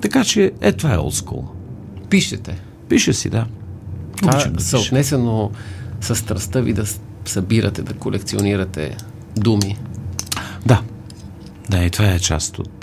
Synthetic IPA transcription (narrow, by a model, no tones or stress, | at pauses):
t̪ɐkat͡ʃɛɛt̪ovaɛ̰ɔ̰lˠsko̰lˠ | piʃɛt̪ɛ | piʃəsḭd̪at̪oasɐot̪nɛsɛnosɐst̪ɾɐst̪əvid̪ɐ | sɐbiɾə̰t̪ɛd̪ɐkolɛkt̪sioniɾɐt̪ɛ̰ | d̪umi | d̪a | d̪ait̪ovaɛt͡ʃa̰st̪o̰t̪